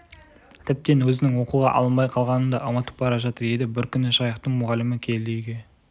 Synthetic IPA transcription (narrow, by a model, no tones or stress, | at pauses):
t̪ʰɪp̚t̪e̞nwɵzɪnɪŋwo̞quʁɑ̰ʔɑ̰lˠənbɑjqʰɑlˠʁɑnənd̪ɑʔɑmɑt̪ə̥p̚bɑɾɑʒɑt̪əɾe̞d̪ɪbɪɾkʲʰʏnɪʃɑjəqt̪əɴmʊʁɑlːɪmɪkʲʰe̞ld̪ejɡʲe̞